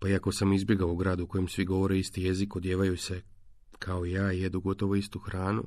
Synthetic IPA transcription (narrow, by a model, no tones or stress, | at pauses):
paiako̞samizbje̞ɡaouɡɾaːd̪uko̞jemsʋiɡo̞ʋo̞ɾeist̪ije̞zikod̪jeːʋajuse̞ | kʰaoijaːjed̪uɡo̞t̪o̞ʋoist̪uxɾaːnṵ